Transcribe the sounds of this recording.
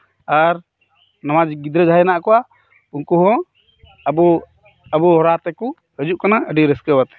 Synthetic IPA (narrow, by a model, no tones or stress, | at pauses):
aɾ | namad͡ʒɡid̪ɾɛd͡ʒʱajnaʔkɔwa | unkuɦɔ̃ | bɔ | əbɔɦɔɾat̪ɛku | həd͡ʒuʔkanaʔəɖiɾɛskəwat̪ɛ̥